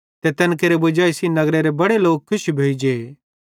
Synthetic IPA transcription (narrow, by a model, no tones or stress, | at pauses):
t̪et̪ɐnkeɾebʊd͡ʒaːisinɐɡɾeɾebɐɽeloːk̚kʰːʊʃbʱeːid͡ʒeː